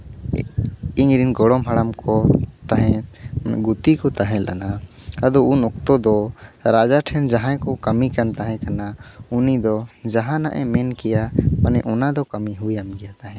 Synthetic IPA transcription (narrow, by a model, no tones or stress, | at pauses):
iɲɾinɡɔɽɔmɦaɽamkɔt̪aɦɛ̃ɡut̪ikɔt̪aɦɛ̃lʔa̰na | ad̪ɔunɔk̚t̪ɔd̪ɔɾad͡ʒaʈʰɛnd͡ʒaɦãkɔkəmikant̪aɦɛ̃kanaunid̪ɔd͡ʒaɦãna̰ʔɛmɛnkɛjamanɛʔɔnad̪ɔkamiɦujamɡɛjat̪aɦɛ̃